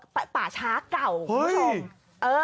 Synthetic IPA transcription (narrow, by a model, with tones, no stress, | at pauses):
ppaː˨˩t͡ɕʰaː˦˥ka˨˩whɤ˦˧˦ | ʔɤː˧